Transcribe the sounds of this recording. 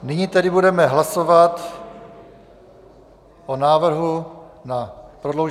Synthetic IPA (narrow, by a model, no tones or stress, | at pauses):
nɪɲit̪ɛdɪbudɛmɛɦlasovat̪ | ʔonaːvr̩ɦunapɾodlowʒ